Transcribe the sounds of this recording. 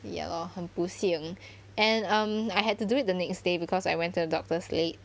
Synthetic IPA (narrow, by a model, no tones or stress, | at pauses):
jɛ̰lɔhə̃mpusiə̃ŋ | ɛ̃nʌ̃majɦɛd̚tuduɪt̚dənɛksdebikʰɔsajwɛ̃ntudədɔk̚təslet̚